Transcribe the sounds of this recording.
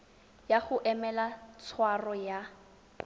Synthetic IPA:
jaχʊʔɛmɛlat͡sʰwarɔja

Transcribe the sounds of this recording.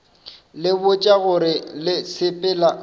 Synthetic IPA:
lɪbʊt͡ʃʼaɣʊɾɪlɪsʰɪpʼɪːla

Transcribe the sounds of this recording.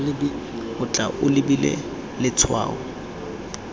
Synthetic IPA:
ʊt͡ɬʼaʔʊlɪbilɛ̰ | lɪt͡sʰwa̰ːʊ

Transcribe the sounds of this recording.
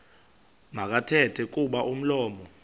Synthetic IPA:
mak̬atʰɛtʰɛk̬ʼuɓaʔum̩lɔːmɔ

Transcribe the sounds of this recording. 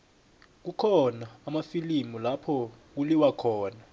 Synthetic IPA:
k̬ukʰɔnaːmafilimulapʰɔk̬uliwakʰɔːna

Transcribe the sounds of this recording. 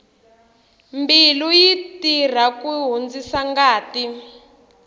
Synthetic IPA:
mbilujitir̤akuɦond͡zisaŋɡaːti

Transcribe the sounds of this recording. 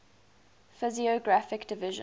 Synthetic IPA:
fɪziɔɡɹafɪkd̥ɪvɪʒə̰̃

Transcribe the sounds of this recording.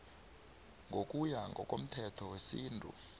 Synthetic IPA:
ŋɡʱokʼujaŋɡʱɔ̰kʼo̰m̩tʰɛtʰɔwesiːntʼṵ

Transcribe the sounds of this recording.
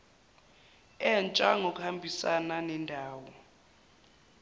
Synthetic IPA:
ɛnt͡ʃʼaŋʱok̬ʼuhambʱisananɛndʱaːwɔ

